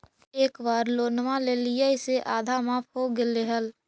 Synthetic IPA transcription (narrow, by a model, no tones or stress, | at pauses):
eːkwaːɾloːnmãleːlɪjaɪseʔaːd̪ʱamaːpʰɦoɡeleɦəl